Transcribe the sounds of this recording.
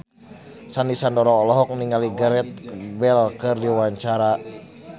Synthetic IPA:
sanisandɔɾɔːlɔɦɔk̚niŋaliɡaɾɛt̪̚bɛlkɨrdiwaɲt͡ʃaɾa

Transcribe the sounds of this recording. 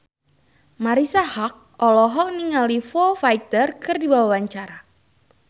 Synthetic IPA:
maɾisahak̚ʔɔlɔɦɔkniŋalifofajt̪ərkɨrdibawawaɲt͡ʃaɾa

